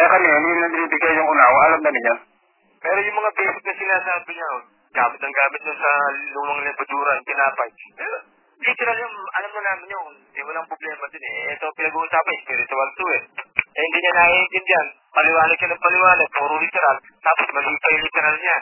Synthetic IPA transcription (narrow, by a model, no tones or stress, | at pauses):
ʔɛkɐnɛɐninɐbɪniːbɪɡajjʊŋʊnawaɐlamnɐmɪɲa | pɛːɾojʊŋmɐŋabɛːsɪk̚nɐsɪlasaːbɪɲa | ɡaːmɪt̪nɐŋɡaːmɪt̪̚d̪ʊnsɐlʊmaŋlɪbɐd͡ʒuːɾɐnp̪ɪnaːpɐjpɛːɾo̞ | lit̪ɛɾaljaŋʔɐlamɲonaːmɪnjoŋ | ɛwɐlaŋpɾoblɛːmɐd̪ɪnɛʔɛt̪o̞pɪnɐɡuʔusaːpɐɪspiːɾɪt̪ʊalt̪uɛʔɛhɪnd̪iɲanaind̪ɪnd͡ʒɐn | mɐlɪwaːnɐʃanɐŋpɐlɪwaːnɐd̪̚puːɾʊlɪt̪ɛɾal | t̪aːposmɐliːpɐjʊlit̪ɛɾalɲa